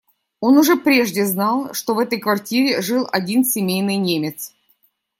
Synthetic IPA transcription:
o̞nʊʐɛpɾʲeʐdʲɪznɑlˠʂt̪o̞vɛt̪əjkvɐrtʲiɾʲɪʐɨlˠʔɐdʲinsʲɪmʲejnɨjnʲemʲɪt̪s

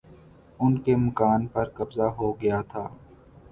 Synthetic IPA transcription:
ʊnkemɐkaːnpɐɾkɐbzaɦoɡɐjat̪ʰaː

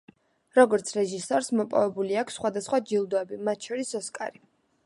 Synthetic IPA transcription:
ɾɔɡɔɾt̪sʰɾɛʒisɔɾsmɔpʼɔ̰vɛbuliakʰsːχwad̪asχwad͡ʒilˠd̪ɔɛbimat̪ʰʃɔɾisɔskʼa̰ɾi

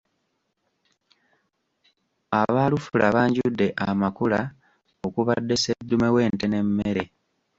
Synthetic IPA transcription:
aβaːlufulʔaβaːɲɟudːe̞ʔamakula | o̞kuβadːe̞se̞dːume̞we̞ːnte̞ne̞mːe̞ɾe̞

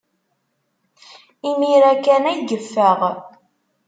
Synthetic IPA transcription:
imiɾækænæjɡəfːəʁ

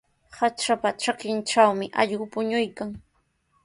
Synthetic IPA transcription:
hat͡ʃapaʈ͡ʂakɪnʈ͡ʂawmɪʔɑʎɢʊpʊɲʊjkaŋ

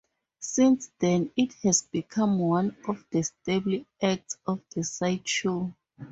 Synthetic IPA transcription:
sĩnsdɛ̃nit̚hɛzbikʰãmwãnɔfdəstebliak̚tsɔfdəsajt͡ʃʰu

